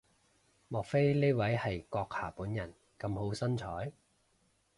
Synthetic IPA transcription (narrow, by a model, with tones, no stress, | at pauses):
mɔː˨˩k̚fe˥jneː˥jwɐ˨˥jhɐ˨jkɔː˧k̚ha̰ː˨˩puː˨˥njɐ˨˩n | kɐ˧mɦo˨˥wsɐ˥nt͡ʃʰɔː˨˥j